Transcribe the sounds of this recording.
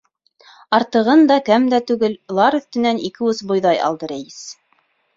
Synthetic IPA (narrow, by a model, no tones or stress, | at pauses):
ɑɾt̪ɤ̆ʁɤnd̪ɑkæmd̪æt̪ʉɡɘllˠɑɾɵ̆θt̪ɘ̆nænikɘɵsbŏjðɑjɑ̰lˠd̪ɤɾæjɘs